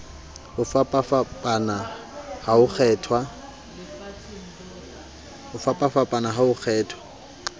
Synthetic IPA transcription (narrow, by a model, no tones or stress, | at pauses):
hʊfapʼafapʼana | haʊk͡xʰɛːtʰwa | hʊfapʼafapʼanaɦaʊk͡xʰɛːtʰwḁ